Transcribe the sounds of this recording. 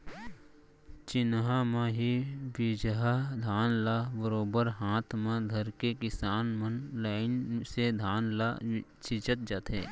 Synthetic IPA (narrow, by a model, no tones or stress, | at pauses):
t͡ʃɪnɦamãɦibɪd͡ʒɦad̪ʱaːnlabəɾoːbəɾɦaːt̪ʰmãd̪ʱəɾkekɪsaːnmənlaːɪnsed̪ʱaːnla̰t͡ʃɪt͡ʃət̪̚d͡ʒat̪ɦḛː